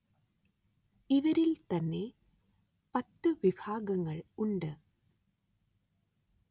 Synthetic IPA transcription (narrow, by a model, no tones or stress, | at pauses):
iʋɐɾilt̪ɐnːe̞ | pɐt̪ːɨʋibʱaːɡɐŋːɐɭuɳɖɨ